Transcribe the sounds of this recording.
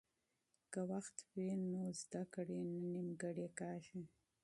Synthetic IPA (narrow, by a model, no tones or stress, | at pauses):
kawaxt̪wenozd̪akɽenanimɡaɽekɑːʃi